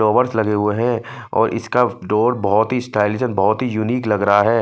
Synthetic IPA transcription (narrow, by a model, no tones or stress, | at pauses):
oːʋəɾslɐɡeɦʊeɦɛ̃ | ɔ̰ːɾʔɪ̰skaɖoːɾbɔɦɔt̪ɦisʈaːɪlɪsənbɔɦɔt̪ɦijʊniːklɐɡɾɐɦaɦɛː